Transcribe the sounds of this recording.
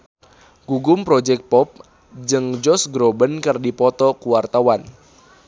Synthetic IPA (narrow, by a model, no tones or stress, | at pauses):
ɡ̥uɡʊmpɾod͡ʒɛk̚t̪̚pɔp̚ | d͡ʒɨŋd͡ʒɔsɡɾobənkərdipɔt̪ɔkuwart̪awan